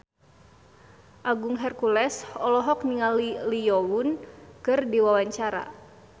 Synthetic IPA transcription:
ʔaɡuŋɦɛrkulɛsɔlɔɦɔk̚niŋalilijɔwunkɨrdiwawaɲt͡ʃaɾa̰

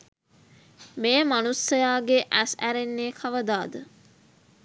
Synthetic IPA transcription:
meːmanusɐjaːɡeʔæsæɾenːeːkʰɐʋəd̪aːd̪ə

